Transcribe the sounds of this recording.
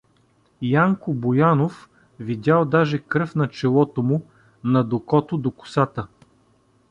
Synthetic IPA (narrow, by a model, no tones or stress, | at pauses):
jaŋkʊbojanof | vid̪ʲalˠd̪aʒɛkɾɤfnɐt͡ʃɛlˠɔt̪omʊ | nɐd̪okɔt̪od̪okʊ̥sat̪ə